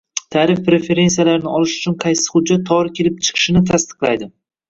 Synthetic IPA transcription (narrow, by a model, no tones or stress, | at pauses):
t̪ʰaɾɪfpɾe̞fe̞ɾe̞nsijalaɾɪnɪɒlɪʃʊ̥t͡ʃʰʊnqʰɑjsɪ̥χʊd͡ʒːat̪ʰːɒɾɪkʲʰe̞lɪp̚t͡ʃʰɨ̥qʰɨ̥ʃɪnɪt̪ʰast̪ɨ̥qlˠa̰jd̪ɪ